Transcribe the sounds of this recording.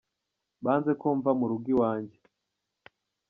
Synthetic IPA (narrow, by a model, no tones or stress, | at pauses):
baːnze̞koːɱvamuɾuɡiwaːɲɟe